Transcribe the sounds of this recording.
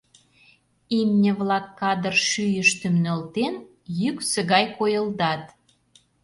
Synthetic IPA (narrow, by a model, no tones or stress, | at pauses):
imnʲə̆βlɑkːɑd̪ərʃyjəʃt̪əmnə̆lt̪en | jyksə̆ɣɑjkojə̆ld̪ɑt̪